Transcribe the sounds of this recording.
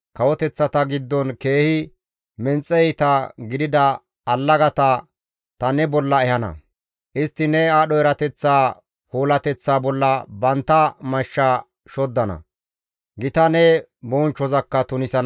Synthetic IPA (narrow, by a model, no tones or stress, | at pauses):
kɐwɔt̪ɛt͡sːɐt̪ɐɡɪd̪ːɔnke̞ːhɪ | mɛnt͡sʼːɛjt̪ɐɡɪd̪ɪd̪ɐ | ɐlːɐɡɐt̪ɐ | t̪ɐnɛbɔlːɐɛhɐnɐ̰ | ʔɪst̪ːɪnɛaːɗɔjɛɾɐt̪ɛt͡sːaː | hoːlɐt̪ɛt͡sːaːbɔlːɐbɐnt̪ːɐmɐʃːa | ʃɔd̪ːɐnɐ̰ | ɡɪt̪ɐnɛ | bɔːnt͡ʃːɔzɐkːɐt̪ʊnɪsɐn